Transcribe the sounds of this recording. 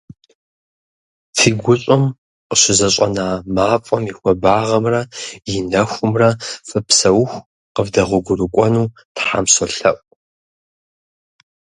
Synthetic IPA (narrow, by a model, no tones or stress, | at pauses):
fʰiːɡʷʊɕʼʊm | qəɕɪzɐɕʼɐnaːmaːfʼɐmixʷɔbaːʁɐmrɐjɪnɐxʷʊmrɐfɨpsɐwxʷ | qəvdɐʁʷʊɡʷʊrɨkʷʼɔnuː | tħa̰ːmsoɬɐʔʷʼ